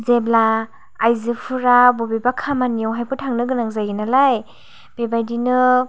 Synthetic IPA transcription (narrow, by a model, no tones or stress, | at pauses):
zeblaː | jzɯpʰuɾabɔbebakʰamanijɔwɦajpʰɯtʰaŋnɯɡɯnaŋzajɡinalaj | b̥ebajdinɯ